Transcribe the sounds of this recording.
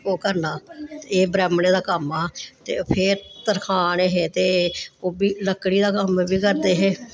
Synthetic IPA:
oːkəɾnaːeːbɾɛːmɳeːd̪aːkəmaːt̪ḛːpʰɪɾt̪əɾkʰaːneːɦeːt̪eːoːbiːləkːɽiːd̪aːkəmbiːkəɾd̪eːɦeː

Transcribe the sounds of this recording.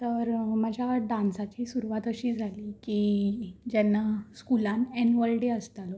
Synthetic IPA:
t̪əɾməd͡ʑʱjaɖãnsat͡ɕiːsuɾuʋat̪əɕiːd͡zʱaliːkid͡ʑɛnːaskulãnɛnʋəlɖeəst̪alɔ

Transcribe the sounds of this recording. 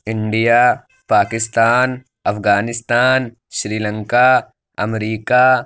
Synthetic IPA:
ɪ̃ɳɖijaː | paːkɪst̪aːn | ɐfɡaːnɪst̪aːn | ʃɾiːlə̃ŋka | ɐmɾiːka

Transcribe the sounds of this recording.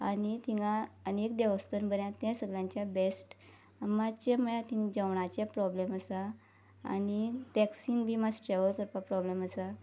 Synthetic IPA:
anit̪ʰiŋaənek̚d̪ɛʋəst̪ənbənjãt̪jãsəɡljãɲt͡ɕjabesʈ | mat͡ɕeməɭãt̪ĩŋd͡ʑəʋɳat͡ɕjapɾɔbleməsa̰ː | niʋɛksinbʱiːmasʈɾeʋəɭkəɾpapɾɔbleməsa

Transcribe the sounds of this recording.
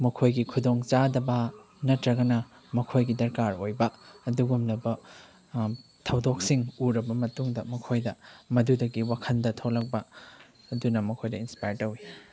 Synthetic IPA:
mɐkʰojɡikʰudoŋt͡ʃadɐbɐ | nɐtɾɐɡɐnɐ | mɐkʰojɡidɐɾkaɾojbɐɐduɡumnɐbɐ | tʰɐwdok̚siŋuɾɐbɐmɐtuŋdɐmɐkʰojdɐmɐdudɐɡiwakʰɐndɐtʰowlɐk̚bɐ | ɐdunɐmɐkʰojdɐinspajɾtɐwi

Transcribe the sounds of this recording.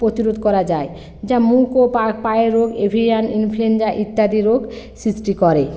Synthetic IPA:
pɾot̪iɾod̪ʱkɔɾad͡ʑae | d͡ʑamulkopakpajeɾoɡebʱiianinfʰluend͡ʑaʔit̪ːad̪iɾoɡsɾisʈikɔɾe

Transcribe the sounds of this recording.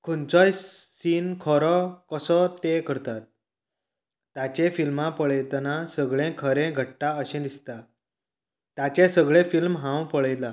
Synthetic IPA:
kʰunt͡sɔjsiːnkʰɔɾɔkəsɔt̪ekəɾt̪at̪̚ | jat͡ɕefilmãpəɭjt̪nasəɡɭẽkʰəɾẽɡʱəʈːaəɕẽd̪ist̪a | t̪jat͡ɕesəɡɭẽfilmɦãwpəɭəjla

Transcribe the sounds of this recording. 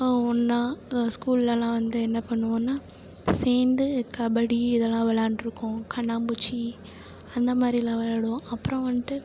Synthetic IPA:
ɔnːãːskuːllɐlãːʋɐnd̪ɯɛnːɐpɐɳːɯʋõːnːaː | seːnd̪ɯkɐbɐɽiɪðɛlːãːʋɛɭaːɳɖɪɾɯkːʊ̃kʰɐɳːaːmbut͡ʃːi | ɐnd̪ɐmaːd̪ɾilãːʋɛɭaɽɯõɐpːɯɾɐ̃ʋɐnːʈ̪ɯ

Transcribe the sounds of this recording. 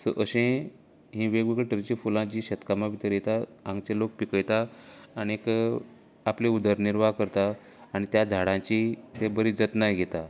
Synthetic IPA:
sə̰ʔəɕẽ | ɦĩʋeɡʋeɡəɭʈɾit͡ɕiːfulãt͡ɕiːɕət̪kamaʋʱit̪əɾjet̪aãŋɡt͡ɕelok̚pikəjt̪aːɽ̃iek | apleud̪əɾniɾʋakəɾt̪aː | ɽ̃it̪jad͡zʱaɽãt͡ɕit̪ebəɾiːd͡zət̪najɡʱet̪a

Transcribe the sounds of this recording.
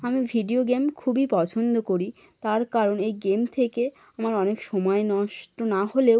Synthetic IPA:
amibʱiɖioɡemkʰubipɔt͡ɕʰond̪okoɾi | t̪aɾkaɾonejɡemt̪ʰeke | amaɾɔnekʃɔmɔenɔʃʈonahole

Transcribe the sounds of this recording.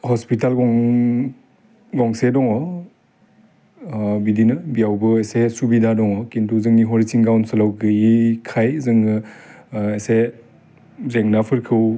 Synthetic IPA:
hɔspitalɡɔŋ | ɡɔŋsedɔŋɔ | bidinɯbijawbɯesesubidadɔŋɔkintʰuzɯŋniɦɔɾisiŋɡawnsɯlawɡɯikʰajzɯŋɯ | ese | zeŋnapʰɯɾkʰɯw

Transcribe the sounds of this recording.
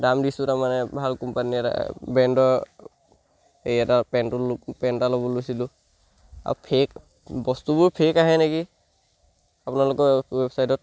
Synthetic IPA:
damdisutamanɛbʱalkɔmpaniɛta̰bɛndɔ | ejatapɛntɔlpɛntalɔbɔlojsilʊ | a̰upʰek | bɔstubʊɹpʰekaɦɛneki | apʊnalʊkɔwɛbsajtɔt̚

